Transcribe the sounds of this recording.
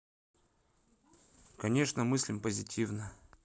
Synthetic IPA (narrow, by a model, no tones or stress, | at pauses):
kɐnʲe̞ʂnəmɨsʲlʲɪmpəzʲɪtʲʰivnə